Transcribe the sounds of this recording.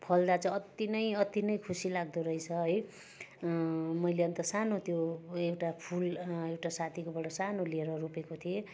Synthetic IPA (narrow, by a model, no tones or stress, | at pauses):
pʰʌld̪at͡sʌʌt̪inʌjʌt̪inʌjkʰusilaɡ̚d̪oɾʌjt͡sʰʌɦʌj | mʌjleʌnt̪ʌsanot̪joewʈapʰulewʈasat̪ʰikobʌɽʌsanolieɾʌɾopekot̪ʰie